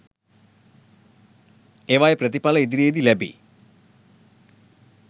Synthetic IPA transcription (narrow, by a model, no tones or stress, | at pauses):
eʋajeprət̪ipaləid̪iɾeːd̪ilæbḭ